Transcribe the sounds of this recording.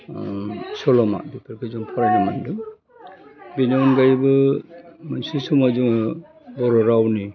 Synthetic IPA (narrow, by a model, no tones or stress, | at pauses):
sɔlɔma̰bipʰaɾkʰɯzɔŋpʰɔɾanamandu | binawnɡajbɯ | mansisumazuŋ | bɔɾɔɾawni